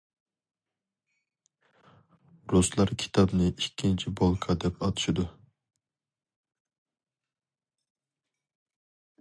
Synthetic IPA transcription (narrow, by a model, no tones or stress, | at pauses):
ɾuslˠɑɾkʲʰi̥t̪ʰɑbnɨʔikʲʰːint͡ʃʰibolˠkʰɑd̪ɛpʰɑt̪ʰɨ̥ʃid̪u